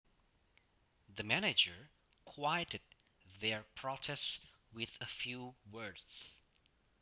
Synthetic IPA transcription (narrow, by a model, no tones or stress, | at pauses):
ðɨmænɨd͡ʒə˞ | kʰw̥aɪjɨɾɨd̪̚ | ðə˞pʰɹ̥ɔtʰɛst | wɪðəfjuwɜ˞dz̥